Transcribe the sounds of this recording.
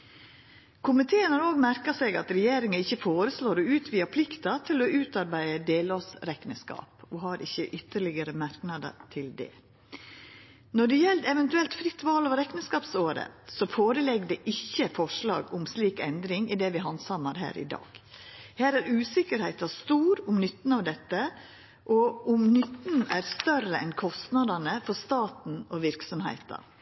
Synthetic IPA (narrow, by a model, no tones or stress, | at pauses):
kʰʊmɪt̪ʰeːənhɑɾoːɡmæɾkəsɛɡɑ̰t̪ɾɛjeːɾɪŋəɪçːəfoːɾəsloːɾɔʉːt̪ʰʋiːɑpʰlɪkt̪ɑt̪ʰɪlɔʉːt̪ɑɾbæɪəd̪eːlosɾɛknəskɑ̰ːpɔɦɑɾɪçːəʔʏt̪ːəɭɪɡəɾəmæɾknɑd̪ə̰t̪ʰɪld̪ɛ̰ | nɔɖɛjɛlt̪ɛʋɛnt̪ʉɛlt̪fɾɪt̪ːʋɑːloːʋɾɛknəskɑːpsoːɾə̰sɔfoːɾəlɛɡd̪ɛʔɪçːəfɔʂɭɑ̰ːɡʊmsliːkɛnd̪ɾɪŋɪd̪ɛʋɪɦɑnsɑməɾɦæ̰ːɾʔɪ̰d̪ɑ̰ːɡ̥hæːɾæɾʉːsɪkəɾhæɪt̪ɑst̪uːɾʊmnʏt̪ːn̩ɑʋd̪ɛt̪ːə | ʔɔʊmnʏt̪ːn̩æːɾst̪œrəɛnkʰɔst̪nɑd̪ɑnəfɔɾst̪ɑːt̪n̩ɔʋɪɾksɔmhæ̰ɪt̪ɑ̰